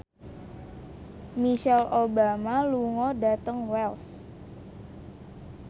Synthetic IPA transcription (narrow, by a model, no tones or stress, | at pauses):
miʃɛlʔobamaluŋɔɖat̪əŋwɛls